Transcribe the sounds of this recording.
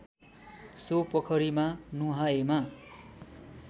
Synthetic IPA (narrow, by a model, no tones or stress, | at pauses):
sopʌkʰʌɾimanuɦaema